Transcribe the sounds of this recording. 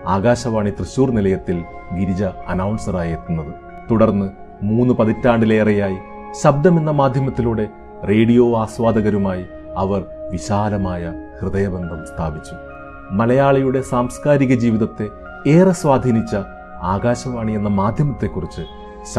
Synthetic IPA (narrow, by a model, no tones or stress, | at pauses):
aːɣaːɕɐʋaːɳit̪rɨɕuːrnilɐjɐt̪ːil | ɡiɾid͡ʑɐɐnɐwɳsɐraːjeːt̪ːunːɐðɨ | t̪uɽɐrnːɨ | muːnːɨpɐðitːaːɳɖile̞ːrɐjaːji | ɕɐb̚d̪ɐmenːɐmaːd̪ʱjɐmɐt̪ːiluːɽe̞ | re̞ːɽijo̞ːaːswaːd̪ɐɣɐɾumaːji | ɐʋɐrʋiɕaːlɐmaːjɐhrɨðɐjɐbend̪ʱɐmst̪ʰaːbit͡ɕːu | mɐlɐjaːɭɐjuɽe̞saːmskaːɾiɣɐd͡ʑiːʋiðɐt̪ːe̞ | eːrɐswaːd̪ʱiːnit͡ɕːɐ | aːɣaːɕɐʋaːɳienːɐmaːd̪ʱjɐmɐt̪ːe̞kːurit͡ɕːɨ